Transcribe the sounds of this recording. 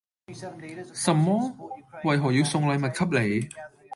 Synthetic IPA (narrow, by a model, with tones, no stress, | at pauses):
sɐ˨˩mːɔː˥wɐ˨jɦɔː˨˩jiː˨˧wsʊ˧ŋlɐ˨˧jmɐ˨t̚kʰɐ˥p̚le˨˩j